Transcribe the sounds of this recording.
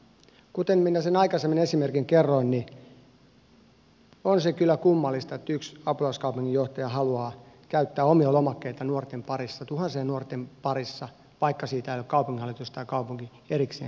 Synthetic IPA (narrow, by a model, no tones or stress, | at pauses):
kut̪emminæsenɑikɑsemːinesimerkiŋkerːoinni | onsekylːækumːɑlːist̪ɑet̪ːyksɑpulɑuskɑupuŋːijoht̪ɑjɑɦɑluɑː | kæyt̪ːæːomiɑlomɑkːeit̪ɑnuort̪empɑrisːɑt̪uhɑnseːnuort̪empɑrisːɑ | ʋɑikːɑsiːt̪æilokkɑupuŋːihɑlːˑit̪ust̪ɑjɑkɑupuŋki | eɾikseːn